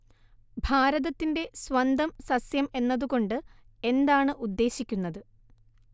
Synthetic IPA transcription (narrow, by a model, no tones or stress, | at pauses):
bʱaːɾɐðɐt̪ːinde̞sʋɐnd̪ɐmsɐsjɐme̞nːɐðuɣo̞ɳɖɨ | e̞nd̪aːɳɨʔud̪ːe̞ːɕikʲːunːɐðɨ